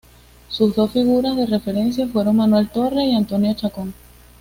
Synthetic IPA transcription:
suzðo̞sfiɣuɾazðe̞re̞fe̞ɾe̞ns̬jafwe̞ɾo̞ŋmanwe̞lt̪o̞reiant̪onjot͡ʃakoŋ

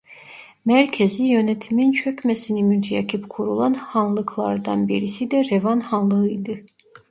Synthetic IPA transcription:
mæɾcʰɛzijø̞nɛt̪ʰimint͡ʃʰøcmɛsinimynt̪ʰijɑcʰɯpkʰuɾulˠɑnhɑnlˠɯkʰlˠɑɾd̪ɑnbiɾisid̪ɛɾevɑnhɑnlˠɯɯjd̪ɯ

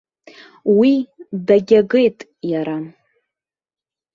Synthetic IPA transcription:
widaɡʲaɡejtʼ | jaɾa

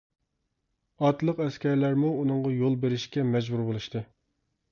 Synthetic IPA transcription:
ɑt̪lˠəqɛskʲɛɾlæɾmuːnɨŋʁɑjolˠbeɾɪʃkʲɛmɛd͡ʒbuɾbolˠuʃt̪ɨ

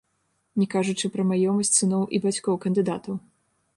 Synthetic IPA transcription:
nʲɛkaʐut͡ʂɨpɾɐmajɔmɐsʲt͡sʲsɨnɔwʔibat͡sʲkɔwkɐnd̪ɨd̪at̪ɐw

